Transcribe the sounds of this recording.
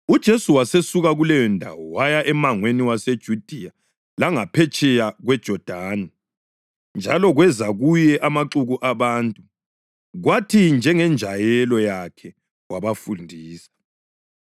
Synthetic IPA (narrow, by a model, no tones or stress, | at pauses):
ud̥ʒ̥ʱesuwasesuɣaɣulɛjɔndʱa̰wɔwajaʔɛmaŋweniwased̥ʒ̥ʱud̥ʱija | laŋapʰɛt͡ʃʼɛjaɣwɛd̥ʒ̥ʱɔd̥ʱaːnɛ | nd͡ʒʱalɔɣwɛzaɣujɛʔamaǁuɣuʔaβaːntʼu | ɣwatʰind͡ʒʱɛŋɛnd͡ʒʱajɛlɔjakʰɛ | waβafundʱiːsḁ